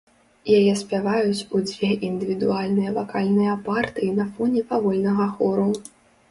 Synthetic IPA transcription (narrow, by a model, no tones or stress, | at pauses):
jajɛsʲpʲavajut͡sʲud͡zʲvʲɛʔind̪ɨvʲid̪ualʲnɨjɐvakalʲnɨjɐpart̪ɨinɐfɔnʲɛpavɔlʲnɐɣɐxɔɾu